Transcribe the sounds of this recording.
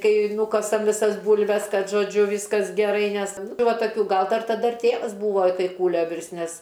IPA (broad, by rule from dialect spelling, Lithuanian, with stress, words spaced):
ˈkɐɪ ˈnuːkɐsɐm ʋʲɪˈsɐs ˈbuːlʲʋʲɛs ˈkɐt ʒoːˈd͡ʒʲʊ ˈʋʲiːskɐs ɡʲɛˈrɐɪ ˈnʲɛs tɐɪ ˈʋɐ tɐˈkʲuː ˈɡɐlˠ ˈdɐr tɐˈdɐ ɪr ˈtʲeːʋɐs ˈbuːʋoː ɪ ˈtɐɪ ˈkuːlʲoː ˈʋʲɪrst ˈnʲɛs